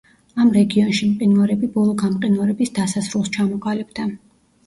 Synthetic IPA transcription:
amɾɛɡiɔnʃimqʼinvaɾɛbibɔlˠɔɡamqʼinvaɾɛbisd̪asasɾulˠst͡ʃʰamɔqʼalibd̪a

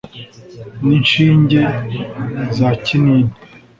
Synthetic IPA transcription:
ninʃiːɲɟe | zaciniːni

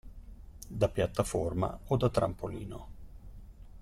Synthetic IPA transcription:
d̪apjat̪ːaforma̰od̪at̪ːɾa̰mpoliːno

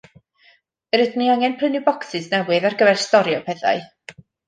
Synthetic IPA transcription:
əɾɪdniaŋɛnpʰrənɪbɔksɪsnɛwɪðarɡəvɛrstɔɾjɔpʰɛθa̰ɨ

